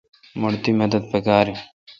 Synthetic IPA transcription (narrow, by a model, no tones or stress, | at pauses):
mʊɽt̪iːmɐd̪əd̪̚pekaːɾi